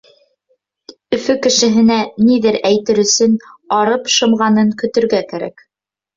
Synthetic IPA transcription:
ɵ̆fɵkɘ̆ʃɘ̆ɦɘ̆næniðɘɾæjt̪ɘɾɵ̆sɘnɑɾɤpʃɤ̆mʁɑnɤŋkɵ̆t̪ɵ̆ɾɡækæɾæ̰k

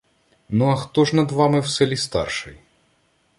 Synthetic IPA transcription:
nuɐxt̪ɔʐnɐd̪ʋamɨwsɛlʲist̪ɑ̰rʂɨj

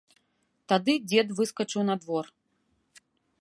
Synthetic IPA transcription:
t̪ad̪ɨd͡zʲɛd̪vɨskɐt͡ʂɨwnad̪vɔr

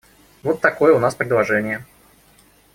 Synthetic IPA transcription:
vo̞t̪ːɐko̞jəʊnaspɾʲɪd̪lˠɐʐɛnʲɪjə

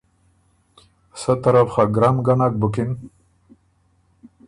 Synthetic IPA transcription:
sət̪aɾafχaɡɾamɡanak̚bukin

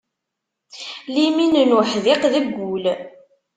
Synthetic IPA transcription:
liminnʊħðɪqðəɡʷːul

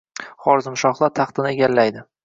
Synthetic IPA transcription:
χɒɾzɪmʃɒχlˠaɾt̪ʰɑχt̪ɪnɪeɡʲalːajd̪ɪ

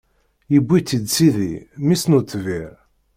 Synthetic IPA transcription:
jəbʷːit͡s̪ːid̪siðḭmisnut̪ːviɾ

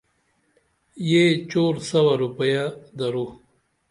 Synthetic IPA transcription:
jet͡ʃoːɾsɐwaɾupɐjad̪aɾu

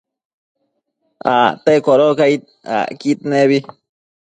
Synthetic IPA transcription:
a̰t̪ekoɾokait̪̚ | a̰kit̪̚neβi

